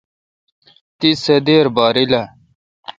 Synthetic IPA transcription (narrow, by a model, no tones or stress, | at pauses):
t̪isɐd̪eːɾbaːɾilɐ